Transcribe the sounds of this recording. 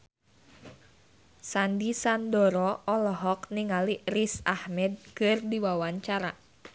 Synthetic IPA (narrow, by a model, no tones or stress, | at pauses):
sandisandɔɾɔʔɔlɔɦɔk̚niŋalirisahmɛd̚kɨrdiwawaɲt͡ʃaɾa